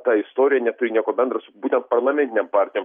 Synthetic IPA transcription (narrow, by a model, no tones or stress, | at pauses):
t̪ɑːɪst̪oːɾʲɪjɛnʲɛt̪ʊɾʲɪnʲiɛkoːbʲɛnd̪ɾɐsʊbuːt̪ʲɛnt̪̚pɐrlˠɐmʲɛ̃nt̪ʲɪnʲeɛmpɑɾʲt̪ʲɪjoːm